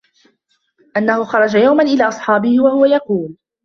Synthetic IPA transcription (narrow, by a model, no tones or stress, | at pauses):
ʔanːahʊxɑɾˤɑd͡ʒajawmanʔɪlaːʔɑsˤħɑːbɪhɪwahʊwajɑquːl